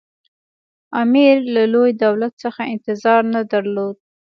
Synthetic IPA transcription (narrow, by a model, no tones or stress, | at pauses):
amiɾlalojd̪awlat̪səxaɪnt̪ɪzɑɾnad̪aɾlod̪̚